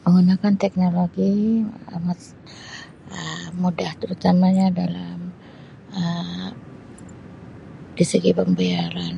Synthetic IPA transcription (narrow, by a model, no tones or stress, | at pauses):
məŋunakant̪ɛk̚noloɡi | mas | əːudaht̪əɾut̪amaɲadalam | ə | disəɡipəmbiaɾan